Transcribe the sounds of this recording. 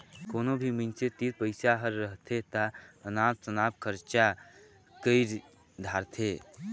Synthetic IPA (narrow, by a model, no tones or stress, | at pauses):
koːnobʱiminset̪iɾ̚pəɪsaɦəɾːəɦt̪ʰet̪aənaːb̚t͡ʃənabkʰəɾt͡ʃa | kəɪɾ | d̪ʱaːɾt̪ʰe